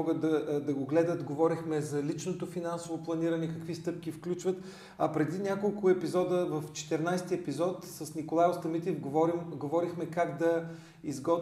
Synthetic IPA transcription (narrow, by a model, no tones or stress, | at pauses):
ɔɡət̪d̪ɐd̪ɐɡoɡlɛd̪ət̪ɡovɔɾixmɛzɐlit͡ʃnot̪ofinansovoplˠɐniɾɐnɛkɐkvist̪ɤp̚kʲifklʲut͡ʃvət̪ | ɐpɾɛd̪inʲakolˠkʊɛpizɔd̪əvɐft͡ʃɛ̥t̪ɛɾnajst̪iɛpizɔt̪sɐsnikolˠajʊst̪ɐmit̪ʲɛfɡɾimɡovɔɾixmɛkaɡd̪ɐ | izɡɔt̪